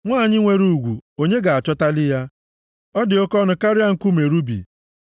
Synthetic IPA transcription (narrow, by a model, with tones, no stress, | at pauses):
ŋʷaː˦˨ɲɪ˦ŋʷe˦ɾu˦˨ɡʷu˨o˨ɲe˦ɡa˨a˨t͡ʃɔ˦ta˦lɪ˦ja˦ | ɔ˦dɪ˨o˦kɔ˦nʊ˨ka˦ɾɪ˦a˦ŋ̩˨ku˦me˨ɾu˦bḭ˨